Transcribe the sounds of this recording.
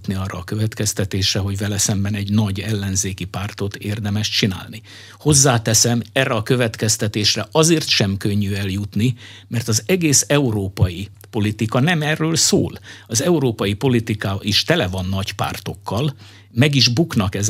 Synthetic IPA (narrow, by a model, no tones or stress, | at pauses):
t̪niɒrːɒ̰ːkøvɛt̪kɛst̪ɛt̪eːʃrɛɦo̞ɟvɛlɛsɛmbɛnɛɟnɒɟɛlːɛnzeːkipaːrt̪o̞t̪eːrd̪ɛmɛʃt͡ʃina̰ːlni | ho̞zːaːt̪ɛsɛmɛːrːɛɒkø̞vɛt̪kɛst̪ɛt̪eːʃrɛʔɒzeːrt̪ʃɛmkøɲːyɛljut̪ni | mɛrt̪ɒzɛɡeːsɛuɾoːpɒji | po̞lit̪ikɒnɛmɛrːøːlso̰ːlɒzɛuɾoːpɒjipo̞lit̪ikaːʔiʃt̪ɛlɛvɒnːɒɟpa̰ːrt̪o̞kːɒl | mɛɡiʒbuknɒkɛz